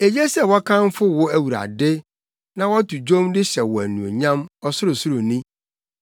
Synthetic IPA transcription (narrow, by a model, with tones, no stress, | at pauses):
e˨jɛ˦sɛ˦˨wɔ˦kʰã˦m˦fʊ˦wʊ˦æ˦wu˨ɾa̰˨dɪ˦ | nã˨wɔ˦tu˨d͡ʑõ˦mdɪ˦ɕɛ˨wɔ˨æ˨nũ˨o̰˨ɲã˦mɔ˨sʊ˦ɾʊ˨sʊ˦ɾʊ˨nĩ˦